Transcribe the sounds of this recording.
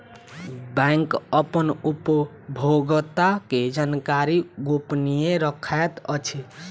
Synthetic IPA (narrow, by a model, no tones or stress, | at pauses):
bɛŋkəpənup | bʱoɡt̪aked͡ʒankaɾiɡopnijeɾəkʰaet̪ət͡ʃʰi